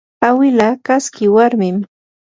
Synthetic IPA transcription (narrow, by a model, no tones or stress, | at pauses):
awɪlakaskɪwaɾmɪm